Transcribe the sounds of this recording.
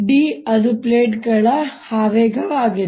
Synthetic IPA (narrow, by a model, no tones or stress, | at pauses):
ɖiːɐd̪upleːʈɡɐɭɐhaːʋeːɡʱɐʋaːɡi